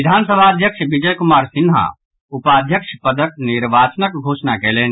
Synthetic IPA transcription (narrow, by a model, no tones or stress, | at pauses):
ɪd̪ʱaːnsəbʱaːd̪ʱjəkʃʋid͡ʒəjkʊmaːɾsɪnɦa̰ | upaːd̪ʱjəkʃpəd̪ək̚nɪɾʋaːt͡ʃnək̚ɡʱoːʃnakeːleːn